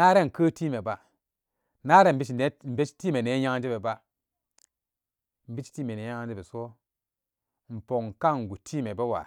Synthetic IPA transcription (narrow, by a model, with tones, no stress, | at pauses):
na˦ɾe˦ŋ˨kəː˦ti˦me˨ba˦ | na˦ɾe˦˨m˨bi˦t͡ʃi˨ne˨˦m̩˨be˦t͡ʃi̥˦ti˦me˨ne˨˦ja˦ŋ˦d͡ʒe˦be˨ba˦ | m̩˨bi˦t͡ʃi̥˦ti˦me˨ne˨˦a˦ŋ˦d͡ʒe˦be˨so˦ | m̩˨po˨ŋ˨ka˦ŋ˨ɡu˨tʰi˦me˨be˦wa̰˨